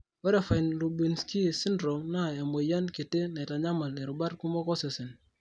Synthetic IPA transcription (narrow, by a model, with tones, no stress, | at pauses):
wɛ˦ɾa˨fa˨jnlu˨bi˨nski˦˨si˦ndɾɔ˨mna˦˨a˨me˨ja˦nkɪ˨te˦nɛ˨ta˨ɲa˦ma˨le˨ɾu˨ba˦ɾku˦mɔ˦kɔ˦sɪ˨sɪ˨n